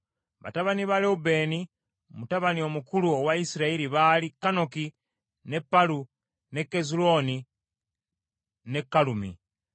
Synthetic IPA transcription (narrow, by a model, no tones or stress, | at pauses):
βa̰taβaniβaleube̞ːni | mutaβanio̞mukuluowaisiɾaiɾiβalikːano̞ki | ne̞pːalu | ne̞kːezulo̞ːni | ne̞kːalumḭ